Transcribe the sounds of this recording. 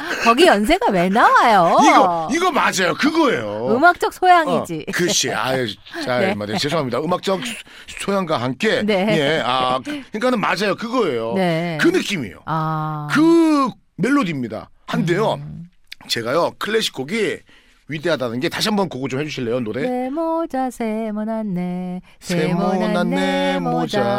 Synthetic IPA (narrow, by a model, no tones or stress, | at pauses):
kʌɡijʌns̬ʰeɡamenawajoiɡʌiɡʌmad͡ʑajokɯɡʌe̞joɯmak̚t͡ɕ͈ʌk̚sʰojaŋid͡ʑikɯɕʰia̰et͡ɕamadet͡ɕes̬ʰoɦamɲidaɯmak̚t͡ɕ͈ʌk̚ | sʰojaŋɡaɦank͈e̞nene̞akeŋk͈anɯnmad͡ʑajokɯɡʌe̞jonekɯnɯk͈imḛjo̰akɯ | meɭːodimɲida̰ | hande̞jo | t͡ɕe̞ɡajʌkʰɯɭːeɕʰi̥kʰoɡi | ɥide̞ɦadadɯnɡe̞taɕʰiɦambʌnkoɡot͡ɕomhe̞d͡ʑuɕʰiɭːejonodemod͡ʑasemonanːe | sʰemonanːemod͡ʑa